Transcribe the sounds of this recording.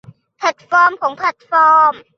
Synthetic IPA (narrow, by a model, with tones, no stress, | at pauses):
pʰɛ˨˩t̪̚fɔː˧˥mkʰɔː˩˦ŋpʰlɛ˨˩t̪̚fɔː˧˥m